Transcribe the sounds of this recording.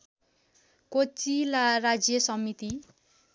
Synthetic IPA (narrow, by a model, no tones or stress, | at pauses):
kot͡silarad͡zjʌsʌmit̪i